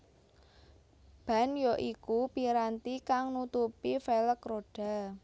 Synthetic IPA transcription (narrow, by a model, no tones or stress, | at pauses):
b̥ä̤njoʔikupiɾant̪ikaŋnut̪upifeləkroɖ̥a̤